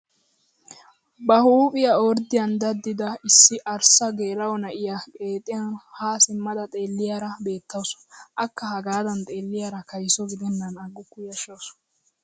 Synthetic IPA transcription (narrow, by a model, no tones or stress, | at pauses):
bɐhuːpʼɪjɐɔɾd̪ɪjɐnd̪ɐd̪ːɪd̪ɐɪsːɪʔɐɾsɐɡeːlɐwɔnɐʔɪjakʼe̞ːt̪ʼːɪjɐnhaːsɪmːɐd̪ɐt̪ʼe̞ːlːɪjaɾɐbe̞ːt̪ːɐwsɔ̥ʔɐkːɐhɐɡaːd̪ɐnt̪ʼe̞ːlːɪjaːɾɐkɐjsɔɡɪd̪ɛnːɐnɐɡːʊkːʊjɐʃɐwsʊ̥